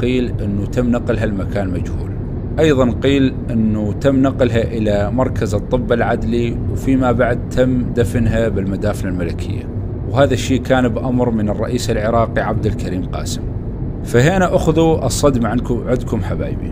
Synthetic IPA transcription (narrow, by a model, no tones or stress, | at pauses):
qiːlʔɪnːut̪amːnaqɪlɦalmakaːnmad͡ʒhṵːl | ʔɑjðˤɑnqiːlʔɪnːut̪amːnaqɪlɦaʔɪlamɑɾˤkʰazɨt̪ˤːɨbːalʕad̪liwfimabaʕd̪̚t̪ʰamːd̪afɪnɦabɪlmad̪aːflalmalakʰɪ̰jːa̰ | whaːðaʃːiːkaːnbʔamɾmənɨrˤːɑ̰ʔiːsɪlʕɪɾˤɑːqiʕab̚d̪ɪlkaɾiːmqɑ̰ːsɪm | faɦeʔanaʔaxðuʔɨsˤːɑd̪maʕankʊʕɪd̪kʊmħaba̰ːjbḭ